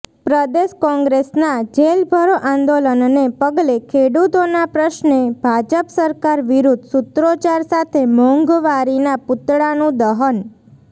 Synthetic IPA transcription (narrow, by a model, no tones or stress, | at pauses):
pɾəd̪eʃkɔ̃ŋɡɾesnad͡ʒelbʱəɾoʔãnd̪olənnepəɡlekʰeɽut̪onapɾəʃneb̥ʱad͡ʒəpsəɾkaɾʋiɾud̪ʱsut̪ɾot͡ʃaɾsat̪ʰemɔ̃ŋɡʋaɾinapʊt̪ɽanũd̪əɦən